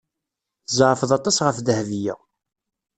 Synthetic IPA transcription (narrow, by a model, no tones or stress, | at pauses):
θzˤʕfəðˤɑt̪ˤːɑsʁəfðəhvijə̰